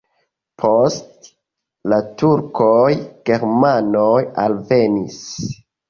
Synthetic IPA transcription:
pʰo̞st | latuɾkojɡ̥e̞ɾmanojalve̞nis

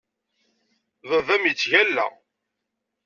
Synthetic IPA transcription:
ðəðæmjət͡sːʝælːæ̰

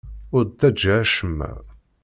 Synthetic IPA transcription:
ʊɾd̪æd͡ʒːaæʃəmːæ̰

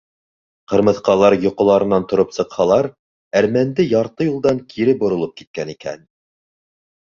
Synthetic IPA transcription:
qɤ̆ɾmɤ̆θqɑlˠɑɾjŏqŏlˠɑɾɤ̆nːɑnt̪ŏɾɤpsɤ̆qhɑlˠɑɾ | æɾmænd̪ɘjɑɾt̪ɤjulˠd̪ɑŋkʰiɾɘbŏɾŏlˠɤp̚kit̪̚kænikæ̰n

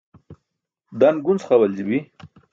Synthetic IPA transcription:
d̪anɡunt͡sχawald͡ʑibi

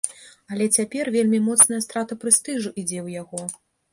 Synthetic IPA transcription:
ɐlʲɛt͡sʲapʲɛrvʲelʲmʲimɔt̪snɐjɐst̪ɾat̪ɐpɾɨst̪ɨʐuʔid͡zʲɛwjaɣɔ

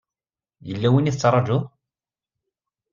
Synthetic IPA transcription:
jəlːæwiniθət͡sːɾˤɑd͡ʒʊ

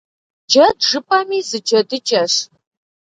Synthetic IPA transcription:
d͡ʒɐdʒɨpʼɐmiːzɨd͡ʒɐdɨd͡ʒʼɐʂ

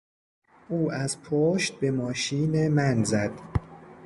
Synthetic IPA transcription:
ʔuːʔæz̥pʰoʃt̪̚be̞mɒːʃiːnemænzæd̪̥

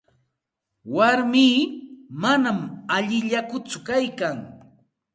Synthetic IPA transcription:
waɾmiːmanamaʎɪʎakʊt͡sʊkajkaŋ

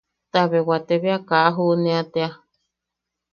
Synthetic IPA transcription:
t̪aβewat̪eβeakaʔaɦuʔnẽat̪ea

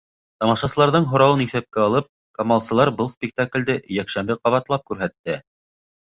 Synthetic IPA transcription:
t̪ɑmɑʃɑsɤ̆lˠɑɾðɤɴɦŏɾɑwɤniθæp̚kæɑlˠɤp̚ | komɑlˠsɤ̆lˠɑɾbɤlˠspʲɪk̚t̪aklʲd̪ɘjækʃæmbɘqɑβɑt̪lˠɑp̚kʉɾɦæt̪ːɘ

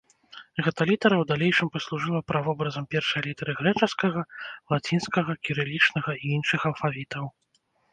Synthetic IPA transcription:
ɣɛt̪ɐlʲit̪ɐɾɐwd̪alʲejʂɨmpɐslˠuʐɨlˠɐpɾavɔbɾɐzɐmpʲɛrʂɐjɐlʲit̪ɐɾɨɣɾɛt͡ʂɐskɐɣɐlˠat͡sʲinskɐɣɐkʲiɾɨlʲit͡ʂnɐɣɐiinʂɨxɐlˠfavʲit̪ɐw

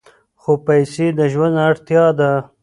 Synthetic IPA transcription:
xopajsed̪əʒwand̪aɽt̪jɑd̪a

